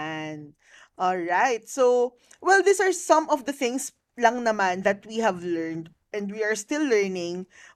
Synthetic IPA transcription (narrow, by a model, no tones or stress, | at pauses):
n | ʔɔlɹaɪt̪̚sow | wɛld̪isɐɹsɐ̃mɔvd̪ɐθɪ̃ŋs | lɐŋnɐmãnd̪ɐt̪̚wiɦɐvlɛɹnd̪ | ʔɛ̃nd̪wiɐɹst̪ɪlːɛɹnɪ̃ŋ